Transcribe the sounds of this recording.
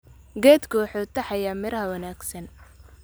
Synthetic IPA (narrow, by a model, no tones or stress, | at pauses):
ɡɛːd̪kʰɔwħɔːt̪ʰːɐħɑjaːmɪɾɐɦɐwɐnaːɡsɐn